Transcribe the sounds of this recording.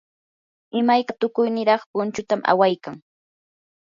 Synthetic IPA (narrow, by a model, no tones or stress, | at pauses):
ɪmajkat̪ʊkʊjnɪɾɑχpʊnt͡ʃʊt̪amʔa̰wajkaŋ